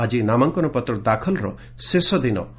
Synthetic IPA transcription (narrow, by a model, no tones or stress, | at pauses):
ad͡ʒinamaŋkɔnɔpɔt̪ɾɔd̪akʰɔlɔɾɔ̰ | sesɔd̪inɔ